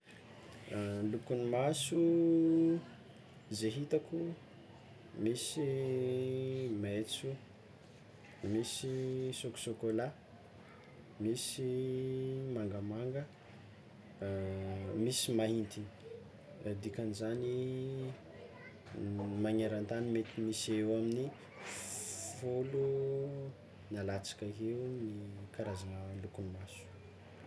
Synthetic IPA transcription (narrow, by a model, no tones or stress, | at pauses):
lukunimasu | zeɦit̪aku | misi | met͡su | misisoku̥sokola | misi | maŋɡəmaŋɡə | misimaɦint̪ini̥ | d̪ikanizani | maɲaɾant̪animet̪imisewamini | folu | nalat͡sḁkəɦeunikaɾazanəlukunimasu̥